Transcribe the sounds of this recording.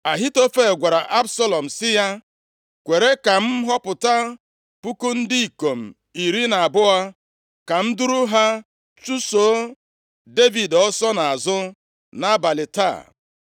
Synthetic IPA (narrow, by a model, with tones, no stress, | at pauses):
a˨ɦi˦to˦fe˦˨ɡʷa˨ɾa˨ʔa˦bsa˦lɔ˨m̩˨sɪ˦ja˦ | kʷe˨ɾe˦ka˨m̩˦ɦɔ˦pʊ˨ta˦ | pu˦ku˦n̩˦di˦i˨ko˨m̩˨ | i˨ɾi˦na˨a˨bʊ˦a˦ | ka˨m̩˦du˦ɾu˦ɦa˦ | t͡ʃu˦so˨˦ | de˦vi˨dɔ˦sɔ˦na˨a˨zʊ˦ | na˦ba˨lɪ˨ta̰˦˨